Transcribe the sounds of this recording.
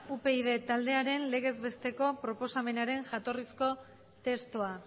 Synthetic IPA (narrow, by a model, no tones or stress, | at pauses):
upe̞ið̞e̞t̪ald̪e̞aɾe̞nle̞ɣ̞e̞zβe̞st̪e̞ko̞pɾo̞po̞same̞naɾe̞nʝat̪o̞risko̞ | t̪e̞st̪oa